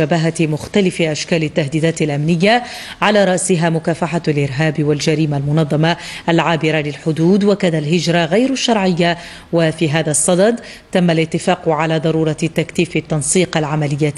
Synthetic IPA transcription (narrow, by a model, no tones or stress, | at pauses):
abaɦamʊxt̪alɪfɪʔaʃkaːlɪt̪ːaɦd̪iːd̪aːt̪ɪlʔamnɪjːa | ʕalaːɾˤɑʔsɪɦaːmʊkaːfaħaalʔɪɾɦaːbwald͡ʒaɾiːmalmʊnɑðˤːɑmaʔalʕaːbɪɾalɪlħʊd̪uːd̪wakaːnalɦɪd͡ʒɾˤɑɣajɾʃːɑɾˤʕɪjːa | wafiːɦaːðasˤːɑd̪ɑd̪ | t̪amːalɪt̪ːɪfaːqʕalaːd̪ˤɑɾˤuːɾˤɑt̪ːakθiːfɪt̪ːɑnsˤiːqalʕamalɪjːa